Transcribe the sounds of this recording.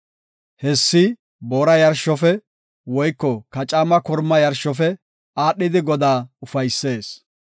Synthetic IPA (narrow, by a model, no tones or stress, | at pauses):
hɛsːɪ | boːɾɐjɐɾʃːɔfɛ | wɔjkːɔkɐt͡ʃʼamɐkɔɾmɐjɐɾʃɔfɛ | aːɗːɪd̪ɪɡɔd̪aːʊfɐjsːe̞ːs